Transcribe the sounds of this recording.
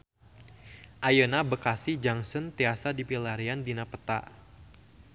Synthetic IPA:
ʔajənabəkasid͡ʒaŋsɔnt̪easadipilaɾiandinapət̪a̰

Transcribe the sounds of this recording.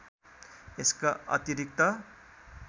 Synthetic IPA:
eskaʌ̰t̪iɾik̚t̪ʌ

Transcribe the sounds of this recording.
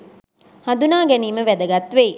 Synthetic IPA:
had̪unaːɡɛniːməʋæd̪əɡɐt̪ʋe

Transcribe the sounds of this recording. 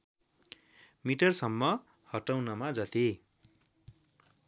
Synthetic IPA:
miʈʌrsʌmːʌ | hʌʈawnʌmad͡zʌt̪i

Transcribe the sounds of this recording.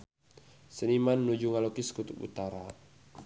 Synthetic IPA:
sənimanːud͡ʒuŋalokiskut̪upṵt̪aɾa

